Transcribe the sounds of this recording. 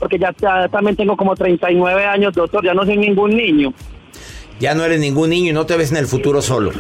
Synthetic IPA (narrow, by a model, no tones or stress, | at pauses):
poɾke̞d͡ʒaat̪ambjent̪e̞ŋɡoko̞mo̞t̪ɾe̞jnt̪ajnwe̞βe̞aɲo̞zd̪ok̚t̪o̞ɾd͡ʒanos̬ojnĩŋɡunːiɲo | d͡ʒanoe̞ɾeznĩŋɡunːĩɲoino̞t̪e̞βes̬ene̞lfut̪uɾo̞so̞lo̰